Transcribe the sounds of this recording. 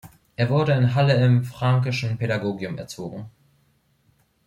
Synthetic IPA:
ʔeːɐvʊɐɾəɪnɦaləɪmfʁ̥aŋk̬ɪʃn̩peɾaɡoːɡjʊmɛ̰ɐt͡soːɡŋ̩

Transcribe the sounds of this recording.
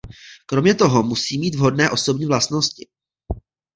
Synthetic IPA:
kɾo̞mɲɛt̪o̞ɦo̞musiːmiːt̪vɦo̞dnɛːʔo̞so̞bɲiːvlast̪no̞scɪ

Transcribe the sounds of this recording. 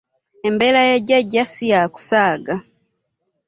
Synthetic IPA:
embelajeɟaɟasijaku̥saːɡa

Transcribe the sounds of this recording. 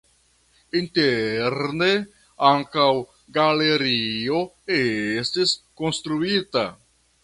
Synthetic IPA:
inteɾne | aŋkaw | ɡale̞ɾio̞ | estisko̞nstɾuita̰

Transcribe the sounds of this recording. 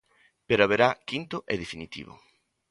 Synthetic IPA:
peɾoaβeɾakint̪ʊʔeðefinit̪ḭβʊ̰

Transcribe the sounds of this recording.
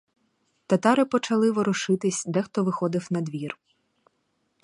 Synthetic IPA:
t̪ɐt̪ɑɾɪpɔt͡ʃɐlˠɪʋɔɾʊʃɪt̪ɪsʲd̪ɛxt̪ɔʋɪxɔd̪ɪwnɐd̪ʋʲir

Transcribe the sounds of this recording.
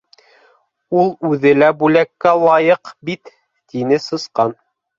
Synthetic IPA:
ulˠʉðɘlæbʉlækːælˠɑjɤqbit̪ː | inɘsɤ̆sqɑn

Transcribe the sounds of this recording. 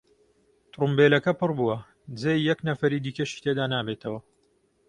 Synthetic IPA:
t̪ɾumbeːlɐkɐpɨrbuwɐ | d͡zejjɛknɐfɐɾiːd̪iːkɐʃi̥t̪ʰed̪aːnaːbet̪ʰɐwɐ

